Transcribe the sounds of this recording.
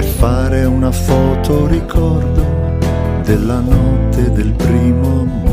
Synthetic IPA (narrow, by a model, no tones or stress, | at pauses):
perfaːɾeunafɔːt̪oɾikʰɔrd̪o | d̪elːanɔt̪ʰːed̪elpɾiːmo